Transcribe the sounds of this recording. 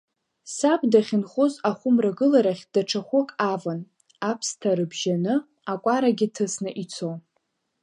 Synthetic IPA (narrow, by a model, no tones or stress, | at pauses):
sabʼdaχʲɪnχʷozaχʷʊmraɡɨlaɾaχʲd̥aʈ͡ʂʰaχʷʊkʼavan | apʰstʰaɾɨbʒanɨ | akʷʼaɾaɡʲɪtʰɨsnɨʔit͡sʰo